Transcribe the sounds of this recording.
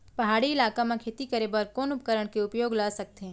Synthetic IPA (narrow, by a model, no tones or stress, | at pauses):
pɐɦaːɽiɪlaːkamẽkʰeːt̪ikəɾebɐɾkɔːnʊpkəɾəɽ̃keʊpjoːɡlasɐk̚t̪eɦɛ̃